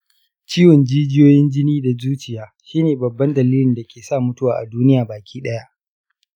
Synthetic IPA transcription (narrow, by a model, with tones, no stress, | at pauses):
t͡ʃiː˦wɔ˨nd͡ʒiː˦d͡ʒɪ˦joː˦jɪ˦nd͡ʒɪ˦niː˦da˨zuː˦t͡ʃɪ˨jaː˦ʃiː˦neː˨bɐ˨bːɐ˦ndɐ˨liː˦lɪ˨nda˨kʲʰeː˨saː˦˨mʊ˦tʊ˦waː˨ʔa̰˨duː˦nɪ˦jaː˨baː˨kʲʰiː˦ɗɐ˦ja˦ʔ